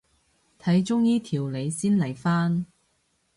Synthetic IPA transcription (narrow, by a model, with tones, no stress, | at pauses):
t̪ʰɐ˨˧˥jt͡ʃʊ˥ŋjiː˥t̪ʰiː˨˩wle˨˧jsiː˥nlɐ˨˩jfaː˥n